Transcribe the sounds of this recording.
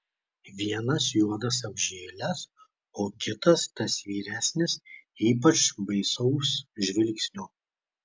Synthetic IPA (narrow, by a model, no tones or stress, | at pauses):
ʋʲiɛnɐsjuɔd̪ɐs̬ɐbʲʒʲeːlʲɛs | oːkʲɪt̪ɐst̪ɐsʋʲiːɾʲæːsʲnʲɪsiːp̬ɐt͡ʃʋɐɪsɔʊsʒʲʋʲɪlʲksʲnʲuː